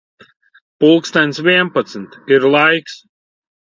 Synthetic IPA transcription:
pulˠkst̪anʲsvʲiɛnpat̪snt̪iɾlˠajks

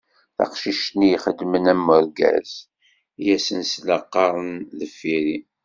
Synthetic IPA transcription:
θɑ̰qʃiʃt̪nijχəd̪mənæmːʊɾɡæ̰z | jæsənsləqːɑɾˤənðəfiɾi

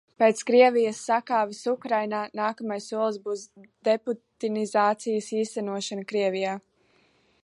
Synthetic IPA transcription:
peːt̪skɾiɛvijəsːakaːvisukɾajnaːnaːkamajsːuɔlˠsbuːsd̪eput̪inizaːt̪sijəsiːst̪ænuɔʃanəkɾiɛvijaː

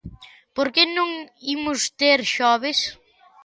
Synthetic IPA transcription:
poɾkenũŋimʊst̪eɾʃɔβes

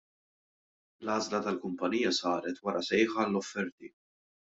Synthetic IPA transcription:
lɐːzlɐt̪ɐlkʊmpɐniːjɐsɐːɾɛt̪wɐɾʔɐsɛjħɐlːɔfːɛɾt̪i

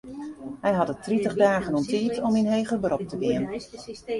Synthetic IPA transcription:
ɦɛjɦɑtətritəχdaːɣənɔmtiːtɔminɦejɣəbərɔp̚təʋɪən

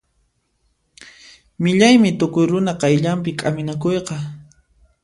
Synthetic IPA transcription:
mɪʎajmɪt̪ʊkʊjɾʊnaqɑjʎampɪkʼamɪnakojqɑ

